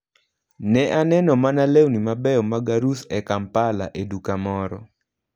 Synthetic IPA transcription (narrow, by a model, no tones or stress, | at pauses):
nɛʔanɛnɔmanalewnimabɛɔmaɡaɾusɛkampala̰ʔedukamɔɾɔ̰